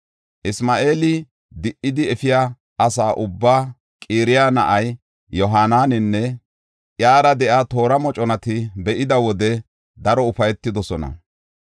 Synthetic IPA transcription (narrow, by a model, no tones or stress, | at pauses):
ʔɪsmaːʔe̞ːlɪ | d̪ɪʔːɪd̪ɪɛfɪja | ʔɐsaːʔʊbːaː | kʼiːɾɪjaːnɐ̰ʔɐj | jɔɦaːnaːnɪnːɛ | ʔjaːɾɐd̪ɛʔat̪o̞ːɾɐmɔt͡ʃʼɔnɐt̪ɪbɛʔɪd̪ɐwɔd̪ɛ | d̪ɐɾɔʊfɐjɛt̪ːɪd̪ɔsɔnɐ̰